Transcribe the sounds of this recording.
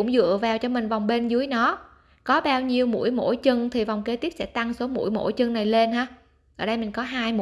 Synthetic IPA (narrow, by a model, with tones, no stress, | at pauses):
ʊ̰˧˥ŋ͡mzɨ̰˧˨əvaː˨˩wt͡ɕɔ˧mï˨˩ŋ̟va˨˩wŋ͡mɓe˧nzɨ˨˦jnɔ˨˦ | kɔ˨˦ɓaː˧wɲi˧əwmṵ˧˥əjmo̰˧˥jt͡ɕɨ˧ŋt̪ʰi˨˩va˨˩wŋ͡mke˧t̪i˦˥p̚sɛ̰˧˥t̪a˧ŋso˨˦mṵ˧˥əjmo̰˧˥˩jt͡ɕɨ˧ŋna˨˩jle˧nɦaː˧˥ | ʔəː˧˩ɗə˧jmï˨˩ŋ̟kɔ˨˦ɦaː˧jm˧